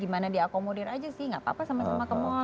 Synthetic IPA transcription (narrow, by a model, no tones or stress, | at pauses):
imanadiakomodɛrad͡ʒasɪhŋɡaʔpa̰pasamasamakəmɔ